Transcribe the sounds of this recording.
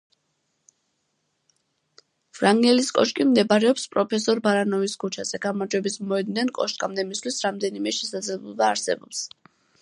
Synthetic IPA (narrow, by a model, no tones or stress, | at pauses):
vɾaŋɡɛliskʼɔ̰ʃkʼimd̪ɛbaɾɛɔpspʼɾɔpʰɛsɔɾbaɾanɔviskʰut͡ʃʰaz̥ɛɡ̥amaɾd͡ʒwɛbismɔɛd̪nɛnkʼɔʃkʼamd̪ɛmist̪ʰlisɾamd̪ɛnimɛʃɛsad̪zlɛblˠɔbaːɾsɛ̰bɔps